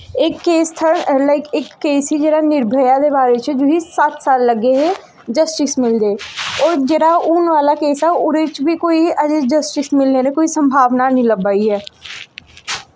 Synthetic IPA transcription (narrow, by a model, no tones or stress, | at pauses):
ekːeːst̪ʰəɾlaɪkɪkːeːsid͡ʒeːɾanɪɾbʱəjad̪ebaːɾet͡ʃɛd͡ʒoːɦisaːt̪saːlːəɡeɦe | d͡ʒəsʈɪsmɪld̪eːɔːɾd͡ʒeːɾauːnʋaːlakeːsaʊɾet͡ʃbʱikoːiəd͡ʒed͡ʒəsʈɪsmɪleːnẽkoːisə̃mbʱaːʋnanĩləbaːiɦɛː